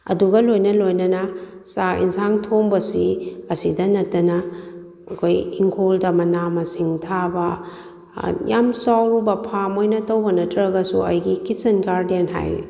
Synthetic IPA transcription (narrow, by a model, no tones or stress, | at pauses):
ɐ̰duɡɐlojnɐlojnɐnɐ | saḭnsaŋtʰoŋbɐsiɐsidɐnɐtːɐnɐ | ɐkʰojiŋkʰoldɐmɐnamɐsiŋtʰabɐ | jamsawɾubɐpʰamojnɐtɐwbɐnɐtʰɾɐɡɐsuɐ̰jɡikisɐnɡaɾdenɦa̰j